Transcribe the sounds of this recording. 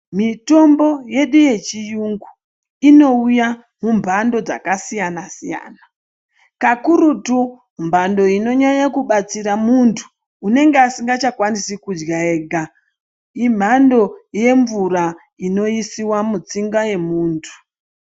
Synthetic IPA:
mito̞mbo̞je̞ɗuje̞t͡ʃijuŋɡu | ino̞uja | mumbʱando̞d͡za̰kasijanasija̰ːna | kakuɾutu | mbʱando̞ino̞ɲaɲakuɓat͡siɾamuntʰu̥ː | ne̞ŋɡeasiŋɡat͡ʃakwanisikud͡ʒɡae̞ɡʱa | im̤ando̞je̞ɱvuɾa | ino̞isiwamut͡siŋɡaje̞muːntʰu̥

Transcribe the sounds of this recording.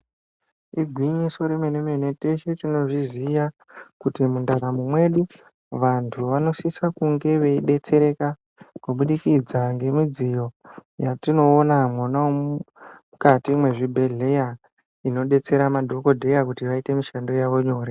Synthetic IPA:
iɡʱwiɲiso̞ɾemenemenete̞ʃetino̞ʐizija | kutimundaɾamumwe̞ɗu | ʋantʰuʋano̞sisakuŋɡe̞ʋe̞iɗe̞t͡se̞ɾe̞ka | koɓuɗikid͡zaŋɡe̞mid͡zijo̞jatino̞ːnamwonao | ukatiːmwe̞ʐibʱe̞ɮe̞ja | ino̞ɗe̞t͡se̞ɾamadʱo̞ko̞dʱe̞jakutiʋaite̞miʃando̞jaʋo̞ɲo̞ːɾe

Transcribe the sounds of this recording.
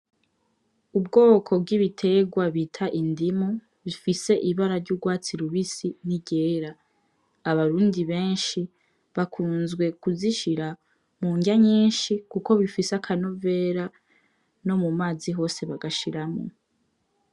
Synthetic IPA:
ub̚ɡo̞ːkʰo̞b̚ɡiβitʰe̞ɡwaβitʰaʔindimu | βifise̞ʔiβaɾaɾɟuːɡwaːt͡siɾuβisiniɟe̞ːɾaː | βaɾuːndiβe̞ːnʃi | βakʰuːnzɡwe̞kuziʃiɾa | muːɲɟaɲiːnʃikuko̞βifiseakʰanove̞ːɾa | no̞mumaːziɦo̞ːse̞βaɡaʃiɾamo̰

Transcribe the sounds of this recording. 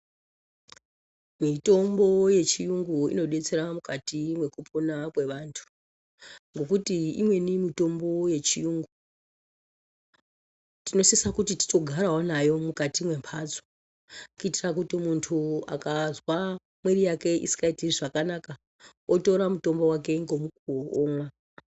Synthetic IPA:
mito̞mbo̞je̞t͡ʃijuŋɡuḭno̞ɗe̞t͡se̞ɾamukatimwe̞kupʰonakwe̞ʋantʰu̥ | ŋɡo̞k̬utiḭmwe̞nimito̞mbo̞je̞t͡ʃijuːŋɡu | tino̞sisakutiti̥to̞ɡʱaɾawonajo̞mukatimwe̞mpʰad͡zo | kuitirakutimuntʰua̰kazwa | mweɾijake̞ḭsi̥kaitiriʐakanaka | oto̞ɾamuto̞mbo̞wak̬e̞ŋɡo̞muk̚uomwa

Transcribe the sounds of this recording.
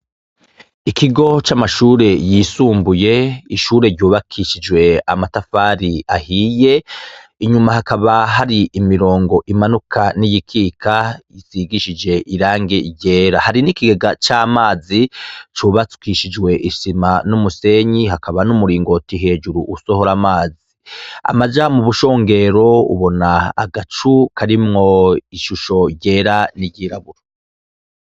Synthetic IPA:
ikiɡo̞t͡ʃamaʃuːɾe̞jiːsuːmbuje̞iʃuːɾe̞ɾɟuːβakʰiʃid͡ʒwe̞a̰matafaːɾia̰hije̞ | iɲumahakaβaɦaɾiʔimiɾo̞ːŋɡo̞ʔimanukʰanijikʰiːkʰaiziɡiʃid͡ʒe̞ʔiɾaːŋɡeiɟe̞ːɾahaɾinikiɡeɡat͡ʃaːmaːzit͡ʃuβat͡su̥kiʃid͡ʒwe̞ʔiʃimanumuse̞ɲiɦakaβanumuɾiːŋɡotiɦe̞ːd͡ʒuɾuʔːso̞ho̞ɾamaːzia̰mazamuβuʃo̞ːŋɡe̞ɾo̞ṵβo̞naa̰ɡat͡ʃukʰaɾimŋo̞iʃuʃo̞ɾɟeːɾaniɟiːɾaβuɾo

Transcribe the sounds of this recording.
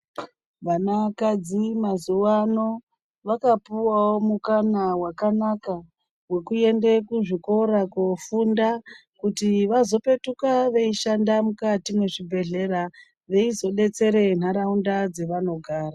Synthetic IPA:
ʋanakad͡zimazuwano̞ | ʋakapuwawo̞mukanawakanaka | we̞kue̞nde̞kuʐiko̞ɾakofunda | kutiʋazo̞pe̞tukaʋe̞iʃandamukatimwe̞ʐibʱe̞ɮe̞ɾa | ʋe̞izo̞ɗe̞t͡se̞ɾe̞n̤aɾaundad͡ze̞ʋano̞ɡʱaːra

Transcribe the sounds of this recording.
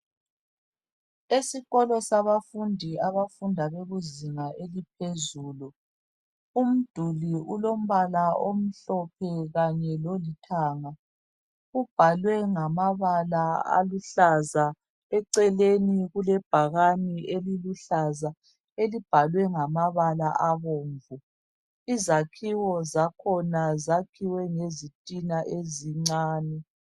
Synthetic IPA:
esiɣɔlɔsaβafundʱiaβafundʱaβeɣuziŋaʔelipʰezuːlu | um̩d̥ʱuliulom̩βalaom̩ɬɔpʰɛɣaɲɛlolitʰaːŋa | ub̥ʱalwɛŋamaβalaa̰luɬaza | ɛǀɛleniɣulɛb̥ʱaɣanieliluɬaza | elib̥ʱalwɛŋamaβalaʔaβoːɱvu | izakʰiwɔzakʰɔnazakʰiwɛŋezitʼinaʔeziŋ͡ǀaːnɛ

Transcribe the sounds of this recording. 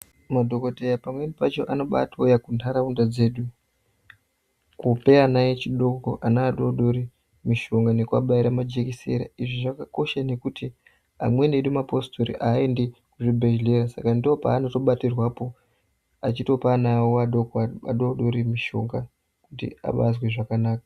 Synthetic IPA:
madʱo̞ko̞tejapamwe̞nipat͡ʃo̞ʔano̞ɓa̰tojakuntʰaɾaundad͡ze̞ːɗu | kupe̞anajet͡ʃiɗokoʔanaːɗoɗo̞ɾi | miʃo̞ŋɡane̞kua̰ɓaiɾamad͡ʒekisḛɾa̰iʐiʐakako̞ʃane̞kuti | a̰mwe̞neɗumapo̞stʰoɾḭʔaendekuʐibʱeʒle̞ɾasakandio̞pa̰ːnoto̞ɓatirwapo̞ | at͡ʃito̞panawoaɗokaa̰ɗoɗo̞ɾimiʃo̞ŋɡa | kutḭa̰ɓa̰zwe̞ʐakanaːkḁ

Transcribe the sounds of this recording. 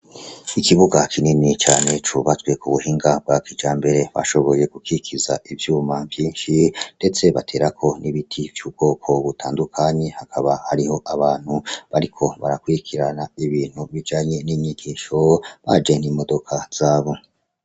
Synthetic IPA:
ikiβuɡakʰininit͡ʃaːne̞t͡ʃuβat͡sɡwe̞kuβuhiːŋɡab̚wakid͡ʒaːmbe̞ɾe̞βa̰ʃo̞βo̞je̞ɡ̥ukikʰiza̰ʔivjuːmavjiːnʃinde̞t͡se̞βatʰe̞ːɾakʰo̞nʔiβitʰivjuːb̚ɡ̥o̞ːkʰo̞βutʰaːndukʰaɲe̞hakʰaβahaɾiɦo̞ʔaβaːn̥huβaɾikʰo̞βaɾakuɾikʰiɾanaiβiːn̥huβid͡ʒaːɲe̞niːɲiɡiːʃo̞βad͡ʒe̞n̥imo̞do̞kʰaz̥aːβo̞

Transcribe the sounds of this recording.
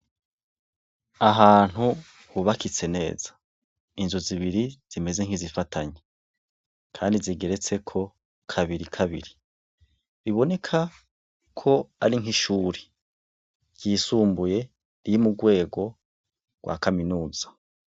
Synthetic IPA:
aɦaːn̥hu | huβakit͡se̞ne̞̰ːz̥ḁ | inzuziβiɾiz̥ime̞ze̞ŋ̥izifatʰaɲe | kʰaːndiziɡe̞ɾe̞t͡se̞kʰo̞ | kʰaβiɾikʰaβḭɾi | βiβo̞ne̞kʰa | kʰo̞aɾiŋɦiʃuːɾe̥ | ɟ̥iːsuːmbuje̞ | ɾijimuɡwe̞ːɡo̞ | ɡ̥wa̰kaminuːz̥ḁ

